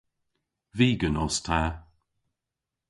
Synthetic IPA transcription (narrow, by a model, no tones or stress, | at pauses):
viːɡənɔstʰa